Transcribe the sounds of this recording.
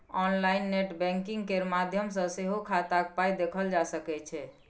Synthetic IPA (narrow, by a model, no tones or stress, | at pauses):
ɔnlainːeʈbɛ̃ŋkiŋɡkeɾmad̪ʱjəmsə̃seɦokʰat̪ak̚pajd̪ekʰəld͡ʒasəkɛt͡ʃʰɛ